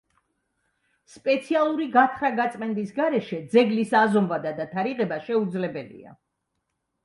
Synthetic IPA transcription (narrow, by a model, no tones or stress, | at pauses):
spʼɛt̪sʰialˠuɾiɡat̪ʰχɾaɡat̪sʼmɛnd̪isɡaɾɛʃɛd̪zɛɡlisazɔmvad̪ad̪at̪ʰaɾiʁɛbaʃɛud̪zlɛbɛlḭa̰